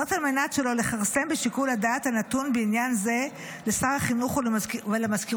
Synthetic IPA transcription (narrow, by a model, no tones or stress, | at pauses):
otalmenatʃe̞lo̞le̞χaʁse̞mbeʃikuladaːt̪hanat̪unbeinjanze̞ | lesaʁaχinuχvelemazkiʁ